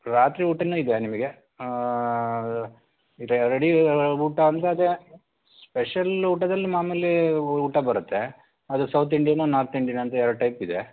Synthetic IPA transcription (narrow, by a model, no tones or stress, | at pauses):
ɾaːt̪ɾiuːʈɐnːuːid̪enimɐɡe | ɾɾeɽiuːʈɐɐnt̪ɐɐd̪e | speʂɐluːʈɐd̪ɐlːimaːmelːeuːʈːɐbɐɾɐt̪ːe | ɐd̪usɐwt̪̬ʰiɳɖijanunaːɾt̪iɳɖijɐnɐnt̪ɐɛɾɐʈɐjpid̪e